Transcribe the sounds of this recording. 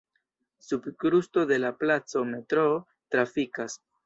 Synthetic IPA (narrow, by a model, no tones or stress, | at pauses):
subkɾusto̞de̞laplat͡so̞me̞tɾo | tɾafikas